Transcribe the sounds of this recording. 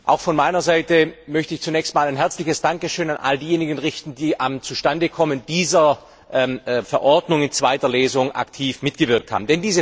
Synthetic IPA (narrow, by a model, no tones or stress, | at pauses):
ʔaʊxfɔnmaɪnɐzaɪtəmœçtəɪçt͡sunɛːçstmaːlaɪnɦɛɐt͡slɪçəsd̥aŋkəʃøːnanʔa̰ldiːjeːnɪɡn̩ʁɪçtn̩diːʔamt͡suʃtandəkʰɔmənd̥iːzɐ | ʔɛfɛɐʔɔɐdnʊŋɪnt͡sv̥aɪtɐleːzʊŋʔa̰ktʰiːfmɪtɡ̥əvɪɐk̚thaːbm̩dɛndiːzə